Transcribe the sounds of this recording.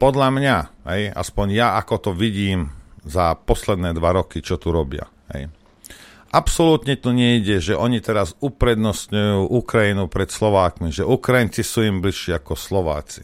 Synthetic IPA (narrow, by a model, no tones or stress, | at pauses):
pɔd̪ʎamɲaɦɛja̰spɔɲjaakɔt̪ɔʋiɟiːmzapɔslɛd̪nɛːd̪ʋaɾɔkit͡ʃɔt̪uɾɔbɪa̰ | ɦɛ̰j | ʔapsɔluːt̪ɲɛt̪uɲɛiɟɛʒɛʔɔɲit̪ɛɾazupɾɛd̪nɔst̪ɲujuːʔukɾajinupɾɛt̪slɔʋaːkmiʒɛʔukɾajint͡sisuːimbliʃːiːakɔslɔʋa̰ːt͡si̥